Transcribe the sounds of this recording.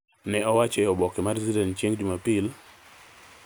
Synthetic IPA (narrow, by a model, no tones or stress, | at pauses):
nɛɔwat͡ʃɛɔbɔkemaɾizsidɛntt͡ʃeŋd͡ʒumapɪl